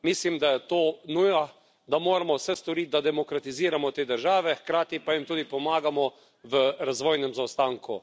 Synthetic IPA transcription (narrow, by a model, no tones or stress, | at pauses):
mislimd̪ajɛt̪oːnuja | d̪amoːɾamɔwsɛst̪ɔɾit̪̚d̪ad̪ɛmɔkɾat̪iziːɾamɔt̪eːd̪əɾʒaːʋɛxkɾaːt̪ipajimt̪uːd̪ipɔmaːɡamɔ | ʋəɾazʋoːjnɛmzawst̪aːŋku